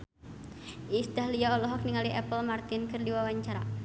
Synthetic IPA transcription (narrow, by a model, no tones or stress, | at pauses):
ʔisdahliaɔlɔɦɔk̚niŋaliʔɛpəlmart̪ɪnkɨrdiwawaɲt͡ʃaɾa